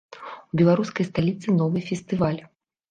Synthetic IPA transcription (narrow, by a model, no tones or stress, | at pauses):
ubʲɛlˠaɾuskɐjst̪alʲit̪sɨnɔvɨfʲɛst̪ɨvalʲ